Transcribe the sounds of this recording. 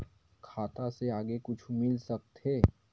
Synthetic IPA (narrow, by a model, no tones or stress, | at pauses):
kʰaːt̪aseaːɡekʊt͡ʃʰmɪlsɐk̚t̪ɦeː